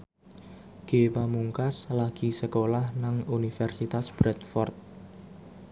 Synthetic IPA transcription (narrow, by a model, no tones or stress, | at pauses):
ɡ̥epamuŋkaslaɡ̥isəkolahnaŋunifɛrsit̪asb̥ɾɛt̪̚fɔrt̪̚